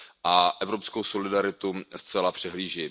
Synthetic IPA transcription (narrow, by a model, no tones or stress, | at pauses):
ʔaʔɛvɾo̞pskowso̞lɪdaɾɪt̪ust͡sɛlapr̥ɛɦliːʒi